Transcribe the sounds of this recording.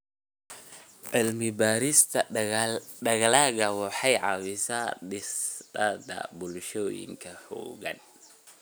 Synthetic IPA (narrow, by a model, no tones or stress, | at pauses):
ʕɪlmɪbaːɾɪst̪ʰɐ | ɖɐɣalaːɣɐwɑħɑjʕɑ̰wɪsaɗɪsdad̪ɐ̰bʊlʃɔːjɪ̰ŋkʰɐhɔ̰ːɣɐ̰n